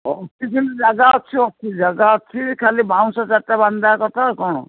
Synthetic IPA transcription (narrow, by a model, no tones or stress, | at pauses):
ɔtʰikint̪ud͡ʒaɡaɔtt͡ʃʰiɔt͡ʃʰid͡ʒaɡaɔtt͡ʃʰikʰalibʱaw̃sɔsat̪ːaband̪akɔt̪ʰakɔɽ̃ɔ̰̃